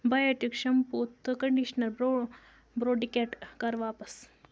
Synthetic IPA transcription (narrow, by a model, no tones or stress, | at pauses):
bajaʈikʂɐmput̪ːkɐɳɖiɕnɐlbɾo | bɾoɖikeʈkaɾʋaːpəs